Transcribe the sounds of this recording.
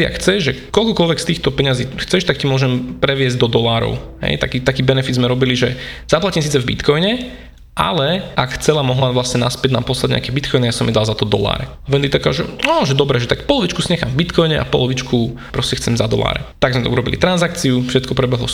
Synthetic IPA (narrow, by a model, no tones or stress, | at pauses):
ia̰kxt͡sɛʒʒɛkɔlkɔkɔlʋɛkst̪iːxt̪ɔpɛɲaziːxt͡sɛʃt̪akcimʊɔʒɛmpɾɛʋɪɛzɟd̪ɔd̪ɔlaːɾɔ̰ʊɦɛ̰jt̪a̰kit̪akiːbɛnɛfid̪zmɛɾɔbiliʒɛz̥aplacimsiːt͡sɛvbḭt̪kɔjɲɛ | ʔa̰lɛʔakxt͡sɛlamɔɦlaʋlasɲɛnaspɪɛɟna̰mpɔslaɟɲɛ̰akɛbit̪̚kɔjnɛjasɔmid̪alzat̪ɔd̪ɔ̰la̰ːɾɛaʋɛnt̪it̪akaʒɛɔʒɛd̪ɔbɾɛʒɛt̪akpɔlɔʋit͡ʃkusiɲɛxamvbit̪kʰɔjɲɛʔa̰pɔ̰lɔʋit͡ʃkʰupɾɔscɛxt͡sɛmzad̪ɔ̰la̰ːɾɛ̰t̪aɡzmɛt̪ɔuɾɔbḭlḭt̪ɾanzak̚t͡siufʃɛt̪kɔpɾɛbɛɦlɔ̰